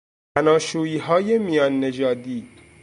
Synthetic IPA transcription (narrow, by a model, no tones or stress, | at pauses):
pʰænɒːʃuːiːɦɒːje̞mijɒːnːe̞d͡ʒɒːd̪iː